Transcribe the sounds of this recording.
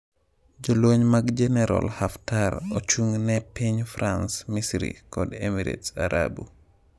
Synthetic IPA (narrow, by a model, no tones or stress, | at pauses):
d͡ʒɔloːɲmaɡd͡ʒɛnɛɾo̰lhaftaɾɔt͡ʃuŋnɛpeɲfɾansmisɾḭkɔdemiɾḛtaɾʔa̰bu